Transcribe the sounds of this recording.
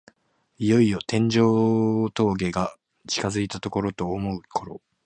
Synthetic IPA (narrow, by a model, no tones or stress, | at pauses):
ijo̞ijo̞t̪ẽ̞ɲ̟d͡ʑo̞ːt̪o̞ːɡe̞ɡa | t͡ɕi̥kazɨit̪at̪o̞ko̞ɾo̞t̪o̞ːmo̞ɯ̟kʰoɾo̞